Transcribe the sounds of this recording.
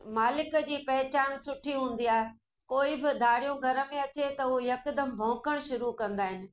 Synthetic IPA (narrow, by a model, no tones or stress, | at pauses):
maːlɪkə̆d͡ʑiːpɐɦɪt͡ɕaːnsʊʈʰiɦũːn̆d̪iaːɦe | koːɪbɪd̪ʱaːɽijõɡʱɐɾə̆mẽɐt͡ɕet̪ɐujɐkd̪əmbʱɐ̃ːkəɽ̃ʃʊɾukɐ̃nd̪aːɦɪnɪ̆